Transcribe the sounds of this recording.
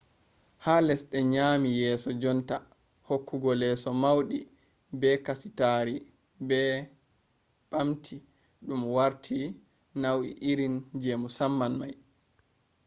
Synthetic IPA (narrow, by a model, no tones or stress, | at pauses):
halɛsɗɛɲaːmijɛːsɔd͡ʒɔnta | hokːuɡɔlɛsɔmawɗi | bɛkasi̥taɾi | bɛ | ɓamtʰi | ɗumwaɾtʰi | nawḭʔiɾind͡ʒemusamːanmaj